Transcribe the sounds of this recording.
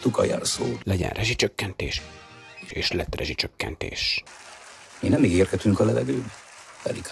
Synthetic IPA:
t̪ukɒ̰ja̰lsoːlɛɟɛ̰nrʔɛʒit͡ʃøkːɛnt̪eːʃ | eːʃlɛt̪rɛʒit͡ʃøkːɛ̰nt̪ḛːʃ | iːnɛmːiɡeːrkɛt̪yŋkɒlɛvɛɡøːbɛt̪ɛ̰ɾik

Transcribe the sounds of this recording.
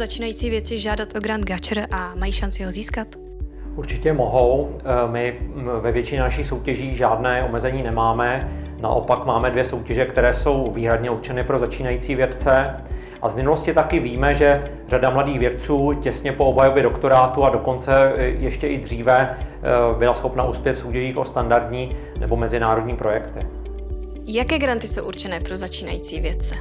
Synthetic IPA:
zat͡ʃiːnajiːt͡siːvjɛt̪t͡sɪʒaːdat̪ʔoɡɾand̪̚ɡat͡ʃɾʔamajiːʃant͡sɪɦoziːskat̪ | ʔuɾt͡ʃɪcɛmo̞ɦo̞wmɪvɛvjɛt͡ʃɪɲɛnaʃixso̞wcɛʒiːʒaːdnɛːʔo̞mɛzɛɲiːnɛmaːmɛna̰ʔo̞̰pakmaːmɛdvjɛso̞wcɛʒɛkt̪ɛɾɛːso̞wviːɦɾadɲɛuɾt͡ʃɛnɪpɾo̞zat͡ʃiːnajiːt͡siːvjɛt̪t͡sɛ | ʔavmɪnulo̞scɪt̪akɪviːmɛʒɛ | r̝adamladiːɣvjɛt̪̚t͡suːcɛsɲɛpo̞obɦajobjɛdo̞kt̪o̞ɾaːt̪uado̞ko̞nt͡sɛjɛʃcɛʔɪd̪r̝iːvɛ | bɪlasxo̞pnaʔuːspjɛt̪fsowcɛʒiːxo̞st̪andaɾd̪ɲiː | nɛ̰bo̞mɛzɪnaːɾo̞dɲiːpɾo̞jɛkt̪ɪ | jakɛːɡɾant̪ɪsowʔuɾt͡ʃɛnɛːpɾozat͡ʃiːnajiːt͡siːvjɛt̪̚t͡sɛ

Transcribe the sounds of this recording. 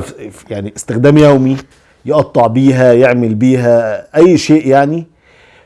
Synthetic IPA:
jaʕniʔest̪exd̪æːmjæwmi | jeʔɑt̪ˤːɑʕbiːɦæjeʕmelbiːɦæʔæjːʃeːʔjaʕni

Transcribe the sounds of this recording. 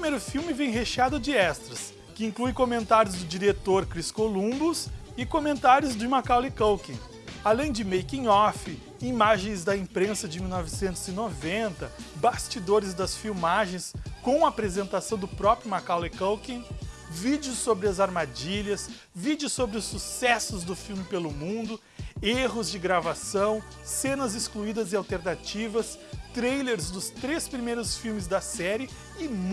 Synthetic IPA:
pimejɾʊfiwmɪvẽj̃ɦeʃead̪ʊd͡ʒɪɛst̪ɾɐs | kɪĩklujkomẽnt̪aɾjʊzd̪ʊd͡ʒiɾet̪oɾkɾiskolũbʊs | ɪkomẽnt̪aɾjʊzd͡ʒɪmakawlɪkowkḛ̃ | alẽj̃d͡ʒɪmejkĩɔfɪ | imaʒẽj̃zd̪ɐĩpɾẽsɐd͡ʒɪmiwnɔvɪsẽnt̪ʊzɪnovẽnt̪ɐbast͡ʃid̪oɾɪzd̪ɐsfiwmaʒẽj̃skõw̃ɐapɾezẽnt̪asɐ̃w̃d̪ʊpɾɔpɾjʊmakawlekowkẽ | vid͡ʒɪʊsːobɾɪɐzaɾmad͡ʒiʎɐs | vid͡ʒɪʊsːobɾɪʊsːusɛsʊzd̪ʊfiwmɪpelʊmũnd̪ʊ | eɦʊzd͡ʒɪɡɾavasɐ̃w̃ | sẽnɐzɪskluid̪ɐzɪawt̪eɾnat͡ʃivɐs | t̪ɾejleɾzd̪ʊst̪ɾespɾimejɾʊsfiwmɪzd̪ɐsɛɾɪ | ɪm

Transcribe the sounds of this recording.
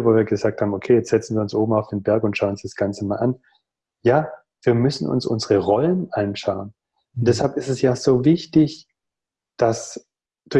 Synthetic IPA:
voːviːɐɡəzaːk̚thaːbm̩ʔokʰeːjɛt͡stz̥ɛt͡sn̩viːɐʊnsʔoːbm̩aʊfd̥eːnbɛɐkʊntʃaʊnʊnsd̥asɡ̥ant͡səmaːlʔan | jaː | v̥iːɐmʏsn̩ʔʊ̰nsʔʊ̰nzəʁəʁɔlənʔanʃaʊən | ʊntd̥ɛshalpɪstɛsjaːz̥oːvɪçtɪç | d̥as | d̥ʊ

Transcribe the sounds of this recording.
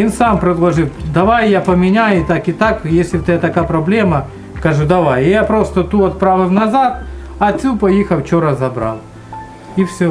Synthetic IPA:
insampɾʲɪd̪lˠɐʐɨfd̪ɐʋajjapəmʲɪnʲaɪt̪akɪt̪akjesʲlʲɪt̪ʲet̪ɐkapɾɐblʲemɐ | kɐʐud̪ɐʋajjapɾost̪ət̪uɐt̪̚pɾavɨmnɐzat̪̚ | ɐt̪ʲsʲupɐjixɐft͡ɕoɾɐzɐbɾa̰lˠ | ifsʲo

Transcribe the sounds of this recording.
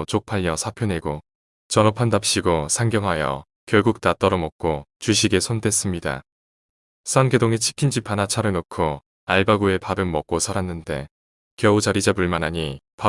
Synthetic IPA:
t͡ɕok̚pʰaʎːʌsʰapʰjone̞ɡo | t͡ɕʌnopʰandap̚ɕ͈iɡosʰaŋɡjʌŋɦajʌ̰ | kjʌɭɡuk̚t͈at͈ʌɾʌmʌk̚k͈ot͡ɕuɕ̬ʰiɡe̞sʰonde̞s͈ɯmɲida̰ | s͈ʰʌnɡedoŋet͡ɕʰi̥kʰind͡ʑipʰanat͡ɕʰaɾɯnokʰo | aɭbaɡue̞pabɯnmʌk̚k͈osʰaɾanːɯnde̞̰ | kjʌud͡ʑaɾid͡ʑapuɭmanɦaɲipa

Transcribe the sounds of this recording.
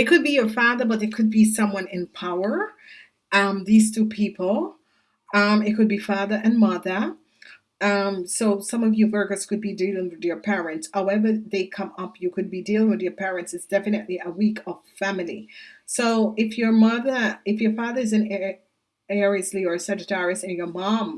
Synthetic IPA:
ɨt̚kɨd̚bijə˞fɑðə˞bʌɾɨt̚kʰɨd̚bisʌ̃mwʌ̃nɪ̃npʰaʊə˞ | ʔʌ̃mðiz̥tʰupʰipʰl̩ˠ | ʌ̃mɨt̚kʰɨd̚bifɑðə˞ʔɨ̃nmʌðə˞ | ʌ̃msoʊsʌ̃mʌvjɨvɜ˞ɡəskɨd̚bidilˠɪ̃ŋwɨðjə˞pʰɛɹɨ̃ntshaʊɛvə˞ðeɪkʰʌ̃mʌpʰjɨkʰɨd̚bidilˠɪ̃ŋwɨðjə˞pʰɛɹɨ̃ntsɨtsd̥ɛfɨnɨʔˡliəwikʰʌv̥fæml̩ˠḭsoʊɪfjə˞mʌðə˞ɨfjə˞fɑðə˞ɨzɨ̃n | ɛɹiɨsliə˞sɛd͡ʒɨtʰɛɹɨsɨ̃njə˞mɑ̃m

